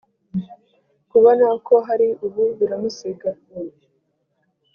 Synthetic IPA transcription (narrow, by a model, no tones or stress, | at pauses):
kuβanakoɦaɾiuβuβiɾamusiɡa